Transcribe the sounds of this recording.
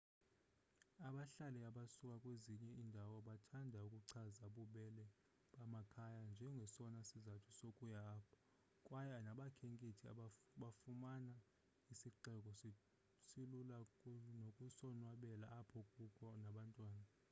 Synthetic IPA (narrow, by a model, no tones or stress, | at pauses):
aɓaɬalɛaɓasukʼakʼweziɲɛindʱawɔɓatʰandʱaukʼuǀʰazaɓuɓɛlɛ | ɓamakʰajand͡ʒʱɛŋɡʱɛsɔnasizatʰu̥sokʼujapʰḁ | kʼwajanaɓakʰeŋkʼitʰia̰ɓaɓafumana | isiǀɛk̬ʼɔ | silulanokʼusɔnwaɓɛlaːpʰɔkʼukʰʼɔnaɓantʼwaːna